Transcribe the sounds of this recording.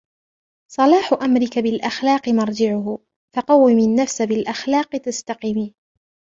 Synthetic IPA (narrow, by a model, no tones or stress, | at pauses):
sˤɑlɑːħʊʔamɾɪkabɪlʔaxlɑːqɨmɑɾˤd͡ʒɪʕʊh | fɑqɑwːɪmɪnːafsabɪlʔaxlɑːqɨt̪ast̪ɑqimiː